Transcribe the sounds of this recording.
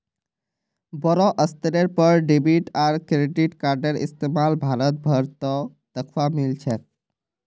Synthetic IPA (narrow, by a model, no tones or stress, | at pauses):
bɔɾoʔəst̪əɾeɾpɔɾɖibiʈaɾkɾeɖiʈkaɾɖeɾḭst̪emalbʱaɾət̪̚bʱəɾt̪ɔ | d̪̥əkʰwamilt͡ɕʰe